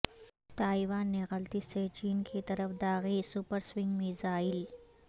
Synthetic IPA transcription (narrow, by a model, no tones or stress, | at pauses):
t̪aːiʋaːnːeɣɐlt̪iset͡ʃiːnkit̪ɐɾəfd̪aːɣisupəɾswɪ̃ŋɡmizaːɪl